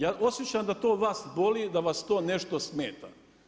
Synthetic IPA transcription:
jaːʔo̞sjet͡ɕamd̪at̪o̞ːʋaːsbo̞lid̪aʋast̪o̞ːne̞ʃt̪osmeːt̪a̰

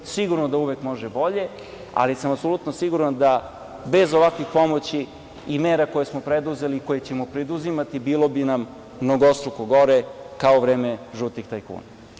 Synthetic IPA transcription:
siɡuɾnod̪auʋekmo̞ʒebo̞ʎe̞ | a̰lisamapso̞lˠut̪nosiɡuɾand̪a | be̞zoʋakʋixpo̞mo̞t͡ɕi | imeːɾako̞jesmo̞pɾed̪uze̞liko̞jet͡ɕe̞mo̞pɾed̪uzimat̪ibiːlˠo̞binamː | noɡoost̪ɾokoɡo̞ɾekaoʋɾeːmeʒut̪ixt̪ajkṵːna

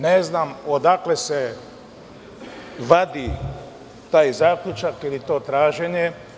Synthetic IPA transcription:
neznamod̪aklese | ʋad̪i | t̪aːjzaːkʎut͡ʃakilit̪o̞ːt̪ɾaːʒeɲe

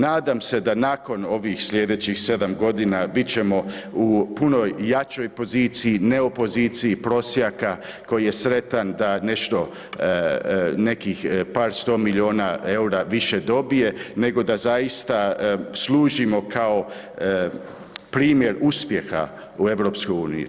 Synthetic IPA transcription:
naːd̪amse̞d̪anaːko̞no̞ʋixsʎʲed̪et͡ɕixse̞d̪amɡo̞d̪inabit̪t͡ɕe̞mo̞upuno̞jːat͡ʃo̞jpo̞ziːt̪sijineopo̞ziːt̪siipɾo̞sjaka | ko̞jije̞sɾe̞t̪and̪ane̞ʃt̪o̞ | ne̞kixpaːɾst̪o̞ːmilio̞ːnae̞uɾaʋiʃe̞d̪o̞bije̞ne̞ɡo̞d̪azajist̪aslˠuːʒimo̞kʰao̞ | pɾiːmje̞ɾuspje̞xa̰ | ue̞ʋɾo̞ːpskojuːnḭjṵ

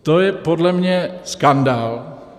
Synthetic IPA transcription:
t̪ojɛpodlɛmɲɛskandaːl

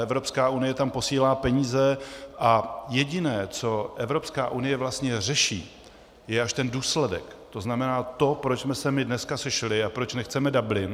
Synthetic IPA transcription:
ʔɛvɾo̞pskaːʔunɪjɛt̪ampo̞siːlaːpɛɲiːzɛʔajɛɟɪnɛːt͡so̞ʔɛvɾo̞pskaːʔunɪjɛvlast̪ɲɛr̝ɛʃḭː | jɛʔaʃt̪ɛnduːslɛdɛ̰kt̪o̞znamɛnaːt̪o̞pɾot͡ʃsmɛsɛmɪdnɛskasɛʃlɪapɾo̞t͡ʃnɛxt͡sɛmɛdablɪ

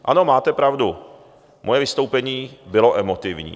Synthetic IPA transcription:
ʔa̰no̞maːt̪ɛpɾavdu | mʔojɛvɪst̪owpɛɲiːbɪlo̞ʔɛmot̪ɪvɲḭː

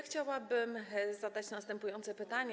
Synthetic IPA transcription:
xt͡ɕawabɘmzad̪at͡ɕnast̪ɛmpujɔnt̪sɛpɘt̪aɲɛ

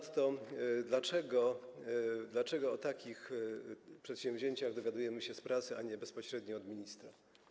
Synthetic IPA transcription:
t̪t̪ɔd̪lat͡ʂɛɡɔ | d̪lat͡ʂɛɡɔɔt̪akʲix | pʂɛt̪ɕɛ̃ɱ̃vʲʑeɲt͡ɕaɣd̪ɔvʲjad̪ujɛmɘɕɛspɾat̪sɘaɲɛbɛspɔɕɾɛd̪ɲɔɔd̪mʲiɲist̪ɾa

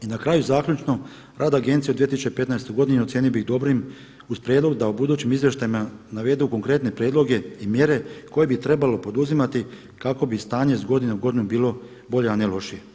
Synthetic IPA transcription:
inakɾaːjuzaːkʎʲut͡ʃno̞ | ɾʔaːd̪aɡe̞nt̪sied̪iet̪isut͡ʃepe̞t̪naest̪oɡo̞d̪ineot̪sjeːnijobiɣd̪o̞bɾim | uzpɾjed̪lˠo̞ɡd̪aubud̪uːt͡ɕimizʋje̞ʃt̪ajimanaʋe̞d̪uko̞ŋkɾe̞t̪ne̞pɾjeːd̪lo̞ɡe̞imje̞ːɾe̞ko̞je̞bit̪ɾe̞balo̞po̞d̪uzimat̪i | kako̞bist̪aːɲeizɡo̞d̪ineuɡo̞d̪inubiːlˠo̞ | bo̞ʎeanelo̞ʃije̞

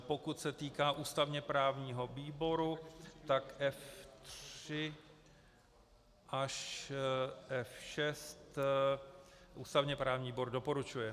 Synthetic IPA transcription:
po̞kut̪sɛt̪iːkaːʔuːst̪avɲɛpɾaːvɲiːɦo̞viːbo̞ɾut̪akʔɛft̪r̥ɪ | ʔaʃ | ʔɛfʃɛst̪ | ʔṵːst̪avɲɛpɾaːvɲiːboɾdo̞po̞ɾut͡ʃujɛ

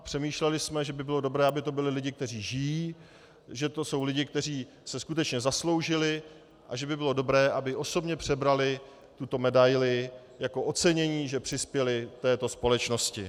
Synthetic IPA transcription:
pr̥ɛmiːʃlɛlɪsmɛʒɛbɪbɪlo̞do̞bɾɛːʔabɪt̪o̞bɪlɪlɪɟɪk̚t̪ɛriːʒɪjiː | ʒɛt̪o̞so̞wlɪɟɪk̚t̪ɛr̝iː | sɛskut̪ɛt͡ʃɲɛzaslo̞wʒɪlɪ | ʔa̰ʒɛbɪbɪlo̞do̞bɾɛːʔabɪʔo̞so̞bɲɛpr̝̥ɛbɾalɪ | t̪ut̪o̞mɛdajlɪ | jako̞ʔo̞t͡sɛɲɛɲiːʒɛpr̥ɪspjɛlɪt̪ɛːt̪o̞spo̞lɛt͡ʃno̞scɪ

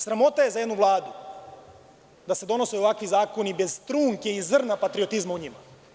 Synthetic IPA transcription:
sɾamo̞t̪aje̞zajd̪nuʋlˠaːd̪u | d̪ase̞d̪o̞no̞seoʋakʋizaːko̞nibe̞zt̪ɾuːŋkeizr̩napat̪ɾiot̪izmauɲima

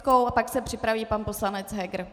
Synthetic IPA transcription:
kowapaksɛpr̝̥ɪpɾaviːpanpo̞slanɛt͡sɦɛɡɾ

